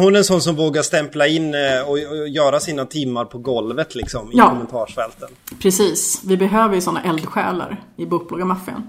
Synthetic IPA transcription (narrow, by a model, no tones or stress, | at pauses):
hʊnæɾɛnsɔnːs̬ɔmvoːɡaʂt̪ɛmplaɪnːɔjœːɾasiːnat̪ʰɪmːaɾpʰɔɡɔlvət̪ʰlɪksɔmɪkɔmɛnt̪ʰɑːʂfɛlt̪ənpʰɾɛsiːsvɪbɛɦøːvəɾjsɔnːa̰ʔɛld̪ɧɛ̰ːla̰ɾɪbuːk̚blɑɡamafːɪə̰n